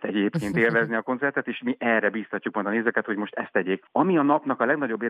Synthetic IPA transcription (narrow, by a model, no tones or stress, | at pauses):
t̪ɛɟeːpkeːnt̪eːlvɛzniɒko̞nsɛrt̪ɛt̪eːʃmiʔɛrːɛbiːst̪ɒcːuk̚mɒjd̪ɒneːzɛkɛt̪ho̞ɟmo̞ʃt̪ɛst̪ːɛɟeːk̚ɒmiɒnɒpn̪ɒkɒlɛɡnɒɟo̞bːeː